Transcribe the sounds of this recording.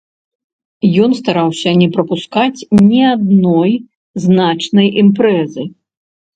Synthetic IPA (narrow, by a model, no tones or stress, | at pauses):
jɔnst̪aɾawsʲɐnʲɛpɾɐpuskat͡sʲnʲɛad̪nɔj | znat͡ʂnɐjʔimpɾɛzɨ